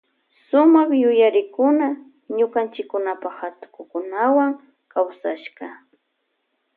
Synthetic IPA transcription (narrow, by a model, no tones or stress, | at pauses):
sʊmaχjʊjaɾɪkʊna | ɲʊkant͡ʃɪkːʊnapaχhat̪ʊ̥kʊkʊnawaŋ | kawsaʃɢɑ